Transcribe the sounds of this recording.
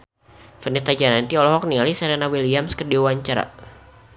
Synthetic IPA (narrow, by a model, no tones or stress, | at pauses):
fənit̪ad͡ʒanant̪iɔlɔɦɔk̚nialisaɾanawiliamskərdiwaɲt͡ʃaɾa̰